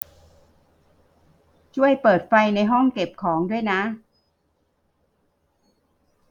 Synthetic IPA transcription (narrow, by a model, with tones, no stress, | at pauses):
t͡ɕʰu˥˩əjpɤː˨˩t̪̚fa˧jna˧jɦɔ˥˩ŋke˨˩p̚kʰɔː˩˦ŋdu˥˩əjna˦˥